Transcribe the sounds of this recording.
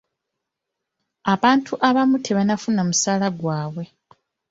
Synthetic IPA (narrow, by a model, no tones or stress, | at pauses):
aβaːntʰuʔaβamutʰe̞βanafunamusaːlaɡwaːβwe̞